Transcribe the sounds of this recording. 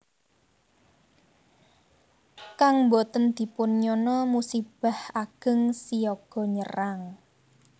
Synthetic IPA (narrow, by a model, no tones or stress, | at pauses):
kaŋmbot̪ənd̪̥i̤pʊnɲɔnɔmusib̥a̤haɡ̥ə̤ŋsijɔɡ̥ɔ̤ɲəraŋ